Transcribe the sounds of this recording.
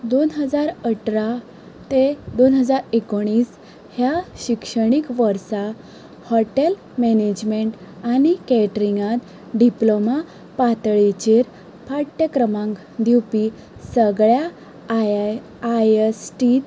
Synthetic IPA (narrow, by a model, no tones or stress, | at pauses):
d̪onɦəd͡zaɾəʈɾa | t̪ed̪onɦəd͡zaɾekoɽ̃iːs | hjaɕikʂəɽ̃ikʋəɾsa | hɔʈel | mened͡ʑmeɳʈanikɛʈɾiŋɡãt̪ | ɖiploma | pat̪ɭet͡ɕeɾ | pʰaɽʈ̪əkɾəmãŋk | d̪ʱiwpi | səɡɭja | ajesʈi